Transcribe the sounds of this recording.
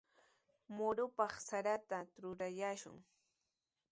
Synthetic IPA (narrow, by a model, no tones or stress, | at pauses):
mʊɾʊpɑχsaɾat̪aɾʊɾajaːʃʊ̰ŋ